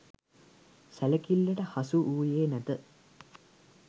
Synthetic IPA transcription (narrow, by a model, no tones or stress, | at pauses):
sæləkilːəʈəhasuʔuːjeːnæt̪ə